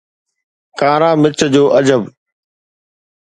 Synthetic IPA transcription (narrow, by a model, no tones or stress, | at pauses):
kaːɾãːmɪt͡ɕəd͡ʑoːʔɐd͡ʑəb